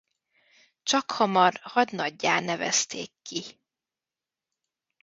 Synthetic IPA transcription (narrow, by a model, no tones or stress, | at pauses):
t͡ʃɒkhɒmɒrhɒɟnɒɟːaːnɛvɛ̰st̪eːkːi